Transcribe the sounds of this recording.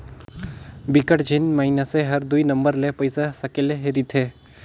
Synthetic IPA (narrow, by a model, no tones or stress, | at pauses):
bikəʈd͡ʒʱinmaɦinaseɦɐɾd̪uinɐ̃mbəɾlepəjsasɐkeleɦeɾit̪ʰeː